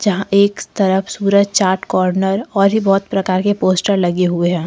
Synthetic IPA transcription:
d͡ʒɐɦãʔeːkt̪ɐɾəfsuːɾəd͡ʒt͡ʃaːɾʈkɔːɾnəɾɔːɾɦibɔːt̪pɾɐkaːɾkepoːsʈəɾlɐɡeɦueɦɛ̃ː

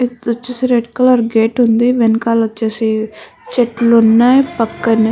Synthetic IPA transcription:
ɐt͡ʃːesiɾeɖkɐlɐɾɡeːʈund̪iʋenkaːlɐt͡ʃːeːsi | t͡ʃeʈlunːaːjpɐkːɐni

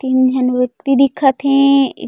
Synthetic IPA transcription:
t̪ind͡ʑʱɐnʋɐk̚t̪id̪ikʰat̪ʰḛ̃

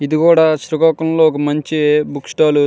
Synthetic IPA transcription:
id̪ikuːɽaːʃɾuɡɔːkɐmloːɔk̬ɐmɐɲt͡ʃibukʂʈaːlu

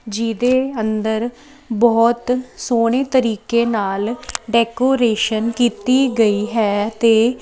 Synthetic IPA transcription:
d͡ʒiːd̪eːənd̪əɾ | bɔːt̪soːɽ̃eːt̪əɾiːkeːnaːlɖɛːkoːɾeːʃənkiːt̪iːɡəiːɦɛːt̪eː

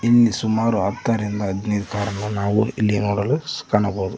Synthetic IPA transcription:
inːisumaːɾuɦɐt̪ːaːɾind̪ɐːd̪nid̪kaːɾɐnːunaːʋuilːinoːɽɐluskaːnɐboːd̪u

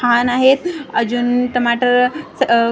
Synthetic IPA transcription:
anaɦet̪̚əd͡ʑunʈəmaʈəɾ

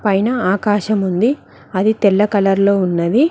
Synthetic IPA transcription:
pɐjnɐaːkaːʃɐmund̪i | ɐd̪it̪ɛlːɐkɐlɐɾlo̞ːunːɐd̪i

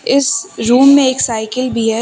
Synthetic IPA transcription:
ɪsɾuːmːẽeːksaːɪkəlbʱiɦɛ

